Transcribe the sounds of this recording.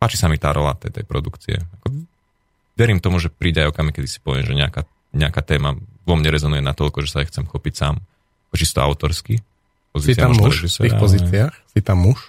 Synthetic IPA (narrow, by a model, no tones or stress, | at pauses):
paːt͡ʃisamit̪aːɾɔla̰t̪ɛt̪ɛ̰jpɾɔd̪ukt͡siɛ̰akɔ | ʋɛɾiːmt̪ɔmuʒɛpɾiːɟɛajɔkamikɛd̪isi̥pɔʋɪɛmʒɛɲɛaka | ɲɛakaːt̪ɛːmaʋɔmɲɛɾɛzɔnujɛnat̪ɔlkɔʒɛsaɛjxt͡sɛmxɔpicsaːm | akɔt͡ʃist̪ɔa̰ʊt̪ɔɾski | pɔziːiauɾɛʒisɛ̰ɾiːxpɔziːt͡siaxsit̪amːuʃ